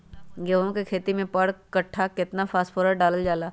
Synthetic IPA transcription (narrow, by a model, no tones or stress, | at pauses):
ɡeʋõkekʰeːt̪imẽpəɽkɐʈʰːakɪt̪nafʰaːspʰoːɾəɖaːləld͡ʒaːlaː